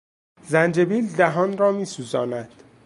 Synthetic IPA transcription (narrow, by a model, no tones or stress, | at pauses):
zænd͡ʒe̞biːld̪æɦɒːnɾɒːmiːsuːzɒːnæd̪̥